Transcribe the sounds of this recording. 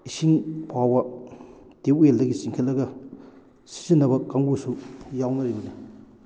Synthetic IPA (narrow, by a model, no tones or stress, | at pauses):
isiŋpʰawbɐ | teweldɐɡisiŋkʰelɐɡɐ | si̥sinːɐbɐkːaŋbusujawnɐɾibɐde